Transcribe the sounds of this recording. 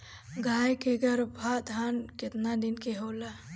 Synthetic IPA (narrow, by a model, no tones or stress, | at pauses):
ɡʱaːjkeɡɐɾbʱaːd̪ʱaːnkɪt̪nad̪inkeɦoːla